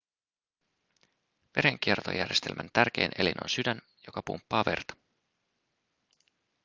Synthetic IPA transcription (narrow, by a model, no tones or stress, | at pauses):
ʋe̞ɾe̞ŋk̟ie̞rt̪o̰jærje̞st̪e̞lmænt̪ærk̟e̞jnʔe̞linʔo̞̰nsydæn | jokɑpṵmpːɑːʋe̞̰rt̪ɑ̥